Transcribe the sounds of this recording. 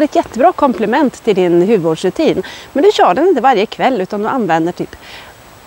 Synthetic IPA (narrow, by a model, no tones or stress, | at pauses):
ɾɛt̪jɛt̪ːəbɾɑːkʰɔmplɪmɛnt̪ʰːɪld̪ɪnɦʉ̟ːʋəvuːɖʂɾɵt̪ʰiːnmɛnd̪ɵɕœːɖɛnɪnt̪əvaɾjəkʰvɛlːʉ̟ːt̪and̪ɵʔanvɛnd̪əʈʰy̰ːp